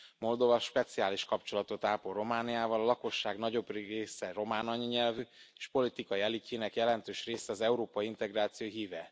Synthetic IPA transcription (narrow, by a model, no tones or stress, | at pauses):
mo̞ld̪o̞vɒʃpɛt̪siaːliʃkɒpt͡ʃo̞lɒt̪o̞t̪aːporo̞maːnijaːvɒlɒlɒko̞ʃːaːɡnɒɟo̞breːsɛro̞maːnɒɲɒɲɛlvyeːʃpo̞lit̪ikɒjiɛliciːnɛkjɛlɛnt̪øːʃreːsɛɒzɛuɾoːpɒjiint̪ɛɡraːt̪sijoːjɦiːvɛ